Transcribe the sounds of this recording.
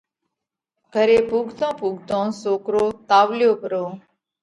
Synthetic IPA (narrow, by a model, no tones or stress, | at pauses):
ɡʱəɾeːpuːɡʱt̪õːpuːɡʱt̪õːsoːkɾoːt̪aːʋlɪjoːpəɾoː